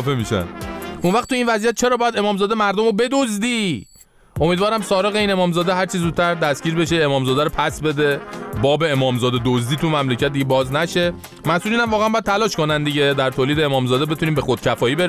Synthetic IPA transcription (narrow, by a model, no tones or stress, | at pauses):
femiːʃæ̰nunvæχt̪uiːnvæziæt̪̚t͡ʃʰe̞ɾɒːbɒːjæd̪e̞mɒːmzɒːd̪emæɾd̪omobe̞d̪ozd̪iː | ʔo̞mid̪vɒːɾæmsɒːɾeɣeiːnemɒːmzɒːd̪eɦæɾt͡ʃʰizuːd̪̚t̪ʰæɾd̪æsɡ̥iːɾbe̞ʃeemɒːmzɒːd̪æɾopʰæsbe̞d̪e̞bɒːbe̞emɒːmzɒːd̪ed̪ozd̪iːt̪ʰumæmlecʰæt̪̚d̪iɟʲebɒːznæʃe̞ | mæsuːliːnæmvɒːɣeænmbɒjæd̪̚t̪ʰælɒːʃko̞nænd̪iɟe̞d̪æɾt̪ʰoːliːd̪e̞emɒːmzɒːd̪ebe̞t̪ʰuniːmbe̞xo̞d̪̥̚cʰæfɒːiːbeɾ